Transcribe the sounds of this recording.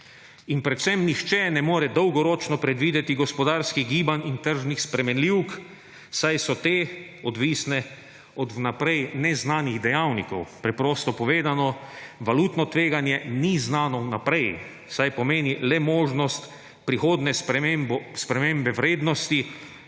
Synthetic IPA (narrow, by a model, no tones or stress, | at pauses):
inpɾɛt̪sɛmnixt͡ʃɛnɛmoːɾɛd̪ɔwɡɔɾɔːt͡ʃnɔpɾɛd̪ʋiːd̪ɛt̪iɡɔspɔd̪aːɾskiɣɡiːbanʲint̪əɾʒnixspɾɛmɛnliwk | sajsɔt̪eː | ɔd̪ʋiːsnɛ | ɔd̪napɾɛjnɛznaːniɣd̪ɛjawnikɔwpɾɛpɾoːst̪ɔpɔʋeːd̪anɔʋaluːt̪nɔt̪ʋeːɡanjɛniznaːnɔwnapɾɛj | sajpɔmeːnilɛmoːʒnɔst̪ | pɾixoːd̪nɛ | spɾɛmeːmbɛwɾeːd̪nɔst̪i